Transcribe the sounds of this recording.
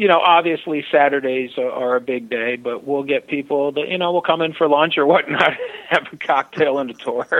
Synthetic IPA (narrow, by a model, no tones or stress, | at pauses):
jɨñoʊʔɑbviɨslisæɾə˞ɾeɪzə˞ɨbɪɡ̚deɪbʌʔ̚wilˠɡɛt̚pʰipl̩ˠðɨjʔɨ̰ñoʊwilˠkʰʌ̃mɨ̃nfə˞lɑ̃nt͡ʃə˞wʌtⁿnət̚ɨvəkʰɑk̚tʰeɪlˠɪ̃ntɨtʰɔɹ